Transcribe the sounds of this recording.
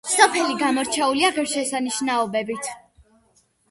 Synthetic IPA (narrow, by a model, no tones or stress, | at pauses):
sɔpʰɛliɡamɔɾt͡ʃʰɛuliaʁɛɾʃɛsaniʃnaɔbɛbit̪ʰ